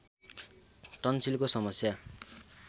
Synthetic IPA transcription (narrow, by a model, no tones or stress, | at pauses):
ʈʌnsilkosʌmʌsja